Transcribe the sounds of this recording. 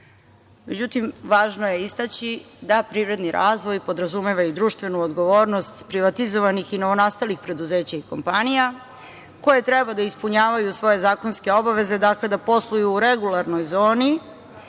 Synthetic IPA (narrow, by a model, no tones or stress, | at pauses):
me̞d͡ʑut̪imʋaːʒnoje̞ist̪at͡ɕid̪apɾiʋɾe̞d̪niɾʔaːzʋo̞jpo̞d̪ɾazumeʋajud̪ɾuːʃt̪vʋe̞nuod̪ɡo̞ʋoːɾnost̪pɾiʋat̪izo̞ʋanixino̞ʋo̞naːst̪alixpɾe̞d̪uzeːt͡ɕaiko̞mpanija | ko̞je̞t̪ɾɛbad̪aispuɲaːʋajusʋo̞je̞zaːko̞nske̞o̞baʋe̞ze̞d̪akle̞d̪apo̞slˠujuːɾeɡulˠaɾno̞jzo̞ːni